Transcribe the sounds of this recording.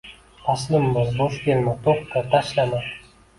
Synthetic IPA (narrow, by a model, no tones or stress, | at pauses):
t̪ʰɑslˠɪmbɪzboʃkʲelmɪt̪ʰoχt̪ət̪ʰaʃlama